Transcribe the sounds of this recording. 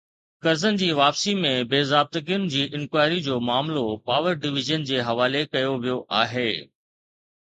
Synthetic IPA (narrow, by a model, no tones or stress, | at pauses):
kɐɾzən̆d͡ʑiːʋaːpsimẽbeːzaːb̚t̪əkijʊnɪ̆d͡ʑiːʔɪ̃nkwaːɪɾid͡ʑoːmaːmlopaːʋəɾɖɪʋɪʒənd͡ʑeːɦɐʋaːlekɐjoʋijoʔaːɦeː